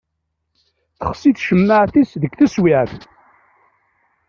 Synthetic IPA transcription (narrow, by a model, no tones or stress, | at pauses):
θə̥χsiθʃəmːəʕθisðəɡθæswiʕθ